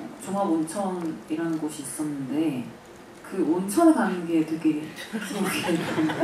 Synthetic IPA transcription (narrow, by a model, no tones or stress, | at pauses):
t͡ɕʌŋaɾont͡ɕʰʌniɾanɯnɡoɕʰiːs͈ʌnːɯnde̞ | kɯont͡ɕʰʌnakanɯnɡe̞teɡeoɡet͈ʰɯn